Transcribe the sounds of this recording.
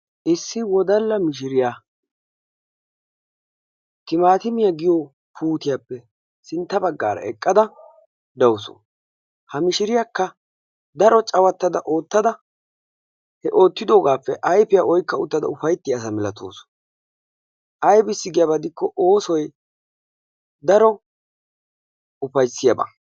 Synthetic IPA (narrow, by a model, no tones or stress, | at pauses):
ʔɪsːɪwɔd̪ɐlːɐmɪʃ̬ɪɾɪjaː | t̪ɪmaːt̪ɪmɪjaɡɪjo | pʰuːt̪ɪjaːpːɛ | sɪnt̪ːɐbɐɡːaːɾɐ̰ɛ̰kʼːɐd̪ɐ | d̪ɐwʊsɔ̰ | hɐmɪʃɪɾɪjakːɐ | d̪ɐɾɔt͡ʃʼɐwɐt̪ːɐd̪ɐʔoːt̪ːɐd̪ɐ | hɛʔo̞ːt̪ːɪd̪o̞ːɡaːpːɛʔɐjpɪjaʔɔjkːɐʊt̪ːɐd̪ɐ̰ʊfɐjt̪ːɪjaːs̬ɐmɪlɐt̪ʰo̰ːs | ʔɐjbɪsːɪɡɪjɐbɐd̪ɪkːɔʔo̞ːsɔj | d̪ɐɾɔ | ʊfɐjsːɪjɐbɐ̰